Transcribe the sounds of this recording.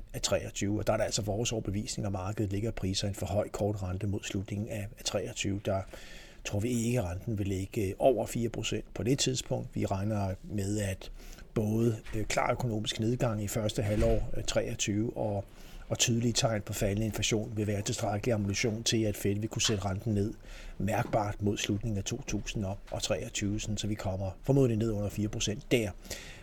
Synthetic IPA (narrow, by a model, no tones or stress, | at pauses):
æt͡sʰʁɛ̰ːɒt͡sʰyːʊɒ̽d̥ɑ̈æɐɾæl̰sɒ̽ʋɒːsɒʊɐb̥eʋḭːsne̝ŋɒmɑ̈ːɡ̥əð̩ˠle̝ɡɐipʰʁiːsɐenfɒhɒ̽ɪ̰kʰɒːd̥ʁɑnd̥əmo̝ð̞̰ˠslud̥ne̝ŋn̩æt͡sʰʁɛ̰ːɒt͡sʰyːʊd̥ɑ̈ | t͡sʰʁo̝̰ɐ̰ʋie̝ɡ̥əʁɑ̈nd̥n̩ʋe̝leɡ̥əʔɒʊ̰ɐfiːɐpʰʁo̝sen̰d̥̚pʰɒ̽d̥e̝t͡sʰið̞ˠspʰɔ̽ŋ̰d̥ʋiʁɑ̈ɪnɐmeð̞ˠæd̥b̥ɔ̽ːðˠəkʰlɑ̰̈ːøkʰo̝no̝̰ːmisɡ̥ne̝ð̞ˠɡ̥ɑ̈ŋ̰ifɶɐsd̥əɦælɒ̰ːt͡sʰʁɛ̰ːɒt͡sʰyːʊʔɒ̽ | ɒ̽t͡sʰyːð̞ˠliət͡sʰɑ̈ɪ̰npʰɒ̽fælənəe̝nflæɕo̝̰ːnʋe̝ʋæːɐt͡sʰe̝sd̥ʁäɡ̥əliɑ̈mulyɕo̝̰ːnt͡sʰe̝læd̥fedəʋikʰused̥əʁɑ̈nd̥n̩ne̝ð̰ˠmæɐɡ̥̚b̥ɑ̰̈ːd̥mo̝ð̞̰ˠslud̥ne̝ŋ̩æt͡sʰo̝̰ːt͡sʰṵːsn̩ɒ̥ɒ̽t͡sʰʁɛ̰ːɒt͡sʰyːʊsɒnsɒ̽ʋikʰɒ̽m̰ɐfɒ̽mo̝ð̰ˠline̝ð̞̰ˠɔ̽n̰ɐfiːɐpʰʁo̝sen̰d̥ːæɐ̰